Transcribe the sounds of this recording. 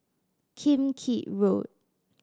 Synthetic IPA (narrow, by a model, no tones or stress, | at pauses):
kʰĩmkʰiʔɹot̚